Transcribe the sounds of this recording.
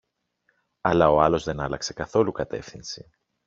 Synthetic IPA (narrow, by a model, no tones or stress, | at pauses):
ɐlɐo̞ɐlo̞zðe̞nɐlɐkse̞kɐθo̞lukɐt̪e̞̰fθinsi